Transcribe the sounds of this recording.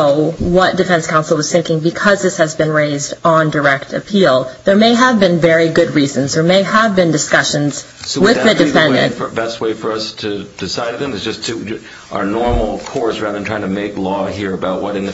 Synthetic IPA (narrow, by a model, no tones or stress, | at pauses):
ʊwʌt̚d̥ɨfɛ̃nskʰãʊ̃nsl̩ˠwʌz̥θɪ̃ŋkɪ̃ŋbɨkʰʌzðɪshɨzbɨ̃nɹeɪzdn̩də˞ɛk̚tʰɨ̰pʰilˠðə˞meɪəvbɨ̃nvɛɹiɡʊd̚ɹizɨ̃nzðə˞meɪəvbɨ̃ndɨskʌʃɨ̃nz̥ | swɪððɨdɨfɛ̃ndɨ̰̃nə˞bɛst̚weɪfə˞ʌstʰɨd̥ɨsaɪɾðɨ̃mɨsd͡ʒ̥ʌstʰʉ | ʔə̰nɔɹml̩ˠkʰɔɹzɹæðə˞ntʰɹaɪɪ̃ŋtʰɨmeɪklɔɦiɹɨbaʊʔ̚wʌɾɨ̃nðɨ